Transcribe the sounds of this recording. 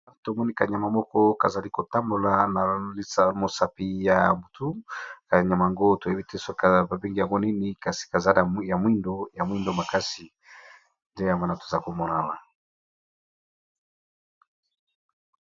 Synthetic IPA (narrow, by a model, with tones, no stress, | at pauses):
to˨mɔ˦ni˦ka˨ɲa˨ma˨mɔ˦kɔ˦ka˨za˨li˦ko˨ta˦mbo˨la˨na˨li˦sa˨mo˨sa˨pi˨ja˨mbu˨tu˦ka˨ɲa˨ma˨ŋɡo˦to˨e˦bi˦te˦so˦ka˨ba˨bi˦ŋɡi˦ja˨ŋɡo˦ni˦ni˨ka˨si̥˨ka˨za˦la˨˦ja˨mwi˦ndo˦ja˨mwi˦ndo˦ma˨ka˦si˨ | nde˦ja˨ŋɡa˦na˨to˨za˨ko˨mɔ˨na˦la˨